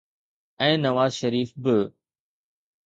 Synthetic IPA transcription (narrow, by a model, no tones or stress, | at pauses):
ɛ̃ːnɐʋaːzʃɐɾiːfbɪ